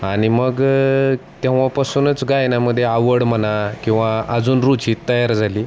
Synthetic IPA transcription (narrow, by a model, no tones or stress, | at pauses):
aɽ̃iməɡ | t̪jẽʋ̃ʋapasuːnət͡sɡajnaməd̪ʱːjeaʋəɽmənakĩw̃ʋaəd͡zuːnɾut͡ɕiːt̪ːəjaɾd͡zʱaliː